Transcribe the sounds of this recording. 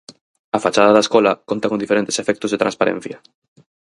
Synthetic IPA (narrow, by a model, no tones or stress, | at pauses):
afat͡ʃaðaðaeskolakont̪akond̪ifeɾẽnt̪e̥sefek̚t̪ozðet̪ɾã̰nspaɾḛ̃n̟θjɐ